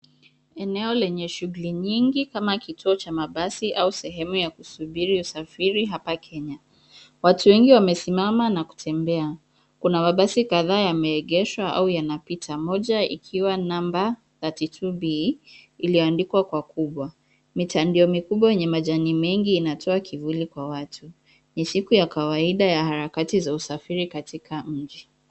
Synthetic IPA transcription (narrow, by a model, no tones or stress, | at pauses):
ɛnɛɔlɛɲɛʃuɣuliɲiŋɡikamakitʰuɔt͡ʃamaɓasiʔausɛɦɛmujakusuɓiɾiusafiɾiɦapakʰɛɲa | watuwɛŋɡiwamɛsimamanaku̥tʰɛmbɛa | kunamaɓasikaðaːjamɛːɠɛʃwaa̰ujanapitʰamɔʄaḭkʰiwanamba | zatitʰuɓiiliɔandikwakwakuɓwa | mitandiɔmikuɓwajɛɲɛmaʄanimɛŋɡiːnatʰɔakʰivulikwawatʰu | nisikujakawaiɗajahaɾakatizausafiɾikatikʰam̩d͡ʒi